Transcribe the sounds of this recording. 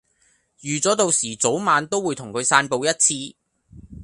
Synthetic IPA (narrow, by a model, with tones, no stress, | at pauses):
jyː˨˩t͡sɔː˨˥t̪o˨wsiː˨˩t͡so˨˥wmaː˨˧nt̪o˥wːuː˨˧jt̪ʰʊ˨˩ŋkʰɵ˨˧ɥsaː˧npo˨˧wjɐ˥t̚t͡sʰiː˧